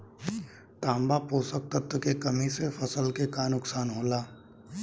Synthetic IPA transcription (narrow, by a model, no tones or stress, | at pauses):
t̪ãːmbapoːsək̚t̪ət̪əkekɐmisefʰɐsəlkekaːnʊksaːnɦoːlaː